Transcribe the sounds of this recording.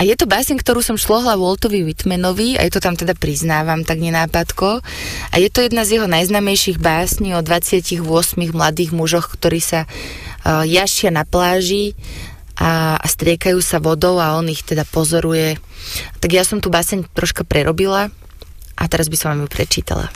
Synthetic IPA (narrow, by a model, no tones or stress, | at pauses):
ʔajɛt̪ɔbaːsɛɲkt̪ɔɾuːsɔmʃlɔɦlawɔlˠt̪ɔʋiwit̪mɛnɔʋia̰jt̪ɔt̪amt̪ɛd̪apɾiznaːʋamt̪aɡɲɛnaːpat̪kɔ | ʔa̰jɛt̪ɔjɛd̪̚nazjɛɦɔnajznaːmɛjʃiɣbaːsɲiɔd̪ʋat͡sɪaciɣʋʊɔsmiɣmlad̪iːɣmuʒɔxkt̪ɔɾiːsa | jaʃɪanaplaːʒi | ʔaa̰st̪ɾɪɛkajuːsaʋɔd̪ɔʊaɔnixt̪ɛd̪apɔzɔɾujɛt̪aɡjasɔmt̪uːbaːsɛɲt̪ɾɔʃkapɾɛɾɔbila | ʔa̰t̪ɛɾazbisɔmʋamjupɾɛ̰t͡ʃḭːt̪a̰la̰